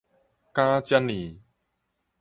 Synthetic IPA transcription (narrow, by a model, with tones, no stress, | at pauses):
kaː˦t͡ɕja˧˥nli˨˩